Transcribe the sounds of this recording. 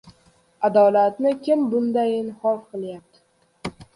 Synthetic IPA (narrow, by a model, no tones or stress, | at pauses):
ad̪ɒlat̪nɪkʲʰɪmbʊnd̪ajɪnhɒfqʰɨlˠjap̚t̪ʰɪ̥